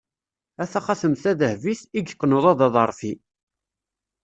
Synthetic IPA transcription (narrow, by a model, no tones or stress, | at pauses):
æθæχaθəmθæðəhviθiɡqːnʊðˤɑðɑðˤəɾˤfi